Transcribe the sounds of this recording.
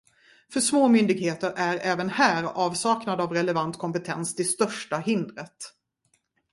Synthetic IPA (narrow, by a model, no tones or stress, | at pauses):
fœʂmoːmʏnd̪ɪɡheːt̪əɾʔæɾɛːvənhæːɾɑːvsɑːknad̪avɾɛlɛvant̪kʰɔmpɛt̪ʰɛnst̪ʰɪlst̪œʂʈahɪnd̪ɾət̪